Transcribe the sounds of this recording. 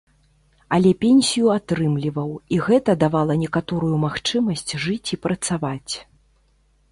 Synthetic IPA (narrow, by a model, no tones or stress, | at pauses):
ɐlʲɛpʲɛnʲsʲijuat̪ɾɨmlʲivɐwiɣɛt̪ɐd̪avalˠɐnʲɛkat̪ɔɾujumaxt͡ʂɨmɐsʲt͡sʲʐɨt͡sʲipɾɐt̪savat͡sʲ